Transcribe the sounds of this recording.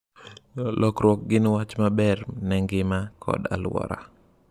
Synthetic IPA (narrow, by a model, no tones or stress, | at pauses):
lʔɔkɾwɔk̚ɡɪnwat͡ʃmabɛrnɛŋɡɪmakʰɔ̰da̰lwɔ̰ɾa̰